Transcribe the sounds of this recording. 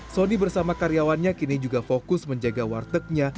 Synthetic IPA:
sonibərsamakaɾijawanɲakinid͡ʒuɡafokʊsməɲd͡ʒaɡawa̰rt̪ək̚ɲa

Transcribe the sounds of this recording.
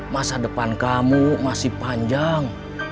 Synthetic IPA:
masadəpankamumasihpaɲd͡ʒaŋ

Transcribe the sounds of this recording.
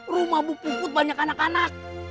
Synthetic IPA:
rumabupupʊt̪̚baɲakanakanak̚

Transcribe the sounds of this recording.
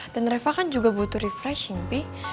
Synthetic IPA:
d̥anrɛfakand͡ʒuɡabut̪uɾifɾɛʃiŋpi

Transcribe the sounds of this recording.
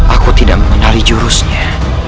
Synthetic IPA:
ʔakut̪idaʔ̚məŋənalid͡ʒuɾusɲa

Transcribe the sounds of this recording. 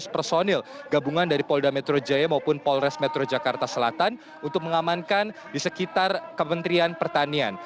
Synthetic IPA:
spərsonɛlɡabuŋandaɾipɔldamɛt̪ɾod͡ʒajamaupʊnpɔlrɛsmɛt̪ɾod͡ʒakart̪asəlat̪an | unt̪ʊk̚məŋamankan | disəkit̪arkəmənt̪ɾianpərt̪anian

